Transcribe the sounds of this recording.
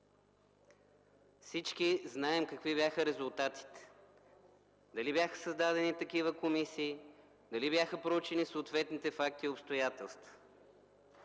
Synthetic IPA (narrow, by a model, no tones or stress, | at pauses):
fsit͡ʃk̟iznaɛmkɐkvibjaxəɾɛzʊlˠt̪at̪i̥t̪ɛ̥ | d̪ɐlibjaxə̥səzd̪ad̪ɛnit̪ɐk̟ivəkomisiː | d̪ɐlibjaxəpɾout͡ʃɛnisoːt̪vɛt̪nit̪ɛfak̚t̪iopst̪ojat̪ɛlˠst̪və̥